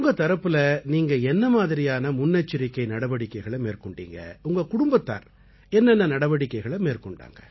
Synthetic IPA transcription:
ʊŋɡɐt̪ɐɾɐpːɯlɐniːŋɡɐɛnːɐmaːðɪɾɪjaːnɐmʊnːɐt͡ʃːɪɾɪkːɐɪnɐɽɐʋɐɽɪkːɐɪɣɐɭɐmeːɾkɔɳɖḭːŋɡɐ̰ʊŋɡɐkʊɽʊmbɐt̪ːa̰ːɾ | ɛnːɛnːɐnɐɽɐʋɐɽɪkːɐɪɣɐɭɐmeːrkɔɳɖa̰ːŋɡɐ

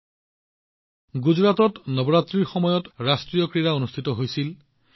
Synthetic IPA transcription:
ɡuzɹatɔtnɔbɔɹatɹiɹxɔmɔjɔtɹastɹijɔkɹijaonustʰitɔɦojsil

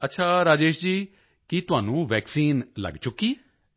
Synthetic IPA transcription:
ətːʃʰaːɾaːd͡ʒeːʃd͡ʒiː | kit̪ʊɦaːnũːʋɛːksiːnlə̰ɡt͡ʃʊkːiːɛ

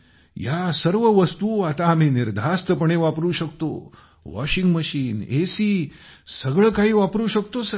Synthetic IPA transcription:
jasəɾʋəʋəst̪uat̪aːm̤iːniɾd̪ʱast̪əpəɳeʋapɾuːɕəkt̪o̰ | ʋɔ̰ɕiŋɡməɕiːnesiː | səɡɭəkaɦiːʋapɾuːɕək̚t̪osə

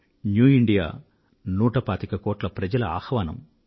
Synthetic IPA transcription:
njuːiɳɖija̰ː | nuːʈɐpaːt̪ikɐkoːʈlɐpɾɐd͡ʒɐlɐa̰ːhɐʋaːnɐ̰m

